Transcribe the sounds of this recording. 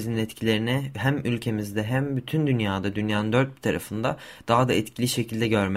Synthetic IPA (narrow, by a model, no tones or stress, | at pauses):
zininɛt̪cʰilʲe̞ɾinɛɦæmylʲcʰe̞mizd̪ɛɦæmbyt̪ʰynd̪ynjaːd̪ad̪ynjaːnɯnd̪øɾt̪̚bi̥t̪ʰaɾa̰fɯnd̪a̰ | d̪̥aɦad̪aɛt̪cʰilʲiʃe̞cʰilʲd̪ɛɟø̞ɾmæ